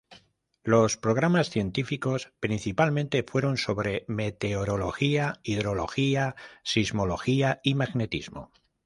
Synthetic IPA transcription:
lo̞spɾo̞ɣ̞ɾamasθje̞nt̪ifiko̞spɾin̟θipalmẽnt̪e̞fwe̞ɾo̞nso̞βɾe̞me̞t̪e̞oɾo̞lo̞xiaiðɾo̞lo̞xiasizmo̞lo̞xiaimaɣne̞t̪ḭzmo̞̰

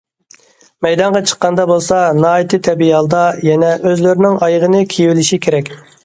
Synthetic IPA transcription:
mɛjd̪ɑɴʁɑt͡ʃʰə̥qːɑnd̪ɑbolˠsɑnɑːit̪ʰɨt̪ʰɛbiɑlˠd̪ɑjɛnɛʔøzlɪɾɪnɪŋɑjʁənɨkʲʰijiwɪlɪʃikʲʰeɾɛkʲ

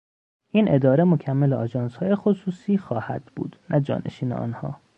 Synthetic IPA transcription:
ʔiːnʔe̞d̪ɒːɾemocʰæmːeleɒːd͡ʒɒːnshɒːje̞xosuːsiːxɒːhæd̪̥bṵːd̪̥nʔæd͡ʒɒ̰ːnʔḛʃiːnḛɒ̰ːnhɒ̰ː

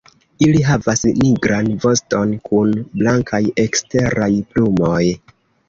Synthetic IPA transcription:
iliɦavasniɡɾanvo̞sto̞nkunblaŋkʰaje̞kste̞ɾajplumo̞j

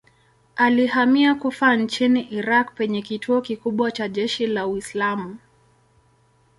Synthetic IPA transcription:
alihamiakufan̩t͡ʃiniʔiɾakpɛɲɛkitʰuɔkikuɓwat͡ʃaʄɛʃilauislamu

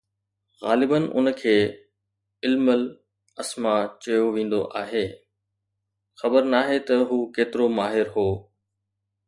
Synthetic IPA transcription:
ɣaːlɪbənʔʊ̰nkʰeː | ɪlməl | ɐsmat͡ɕɐjoʋĩːn̆d̪o̰ʔaːɦeː | xɐbəɾnaːɦet̪ɐɦuːkeːt̪ɪɾomaːɦɪɾɦoː

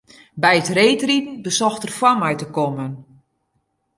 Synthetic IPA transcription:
bɛjətreːtritn̩bəsɔxtərfwamɛjtəkɔmən

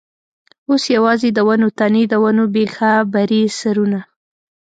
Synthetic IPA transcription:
osjawɑzed̪əwanot̪aned̪əwanobexabaɾisaɾuna

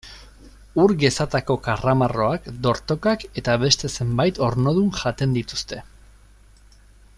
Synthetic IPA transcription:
uɾɡe̞sat̪ako̞karamaro̞akd̪o̞ɾt̪o̞kake̞t̪aβe̞st̪e̞se̞mbajt̪o̞ɾno̞ð̞unʝat̪e̞nd̪it̪ust̪e̞

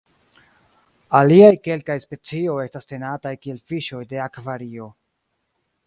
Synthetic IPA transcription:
aliajke̞lkajspe̞t͡sio̞je̞staste̞natajkie̞lfiʃo̞jde̞akvaɾio̞

